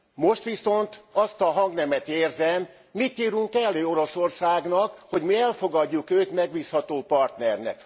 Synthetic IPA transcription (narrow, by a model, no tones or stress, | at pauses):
mo̞ʃt̪ʋiso̞nt̪ɒst̪ɒɦɒŋɡnɛmɛt̪eːrzɛmː | it̪ːiːɾuŋkɛlːøːo̞ɾo̞so̞rsaːɡnɒkho̞ɟmiɛlfo̞ɡɒɟːukøːt̪mɛɡ̚biːshɒt̪oːpɒrt̪nɛrnɛ̰k̚